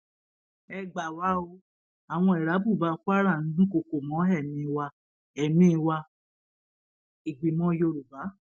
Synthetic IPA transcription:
ɛ˧ɡ͡ba˨wa˨˦o˧ | a˨w̃ɔ̃˧ɛ˨ɾa˨˦bu˦˨ba˨˧˦kʷa˦ɾa˦˨nĩ˨˦ũ˦ko˧˨ko˨mɔ̃˨˦ɦɛ˦˨mĩ˧wa˧ | ɛ˨mĩ˦˧wa˧ | i˨ɡ͡bi˨mɔ̃˨˦jo˧ɾu˨ba˨˦

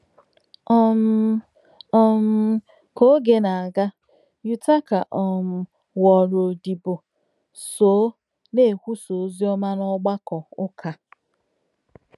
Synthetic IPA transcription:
ɔ˦m˦ | ɔ˦m̩˦ | ko˦ɡe˨na˨a˨ɡa˦ | ju˦ta˦ka˨ʔɔ˨m̩˨ | wɔ˨ɾo˨di˨bo˨ | so˨˦ | ne˦˨kʷu˦so˨˦zi˦ɔ˦ma˦nɔ˦ɡ͡ba˦kɔ˨ʊ˦kʰa˨

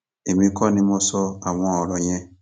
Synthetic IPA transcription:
e˨mĩ˧˦kɔ˦˨nĩ˧mɔ˧sɔ˧a˨w̃ɔ̃˧ɔ˨ɾɔ˨j̃ɛ̃˦

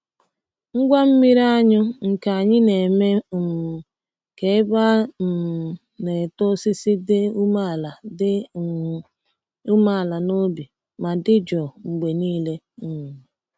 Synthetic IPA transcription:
ŋ̩˦ɡʷa˦m̩˦mi˦ɾa˦ɲʊ˦ŋ̩˨ka˨a˨ɲɪ˦ne˨me˦˨ | ke˨ɪ˦ba˦˨ | ne˨tʊ˦si˦si˦dɪ˦u˦ma˦˨la˨dɪ˦ | u˦ma˦˨la˨no˦bi˨ | ma˨dɪ˦d͡ʒɔ˨ŋ͡m̩˨ɡ͡be˨niː˦le˦˨

